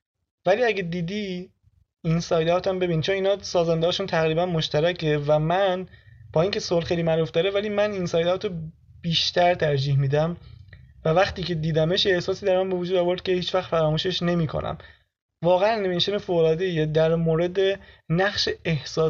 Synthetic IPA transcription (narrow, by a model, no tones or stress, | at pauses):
væliːæɟed̪iːd̪i | insɒːjd̪ɒːt̪ʰæmbe̞biːnit͡ʃʰoniːnɒːsɒːzænd̪ehɒːʃuːnt̪ʰæɣɾiːbænmoʃt̪æɾæce̞væmænb̥ɒːiːŋcʰe̞solχejliːmæɾuːfd̪ɒːɾevæliːmæninsɒːjd̪ɒːt̪o | b̥iːʃt̪ʰæɾt̪ʰæɾd͡ʒiːhmiːd̪æmvævæχt̪iːcʰe̞d̪iːd̪æmeʃjeehsɒːsiːd̪æɾmænbe̞vod͡ʒuːd̪ɒːvo̞ɾd̪̚cʲe̞hiːt͡ʃvæχt̪fæɾɒːmuːʃe̞ʃne̞miːkʰo̰nʔæ̰m | vɒːɣeænːemnsonefoːɣolɒːd̪e̞ijed̪æɾmoːɾe̞d̪enæχʃeehsɒː